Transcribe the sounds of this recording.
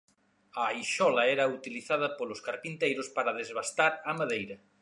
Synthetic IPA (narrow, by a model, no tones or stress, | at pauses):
ɐjʃɔlɐɛɾɐut̪iliθað̞ɐpolʊskaɾpint̪ejɾʊspaɾɐð̞ezβast̪aɾamaðejɾɐ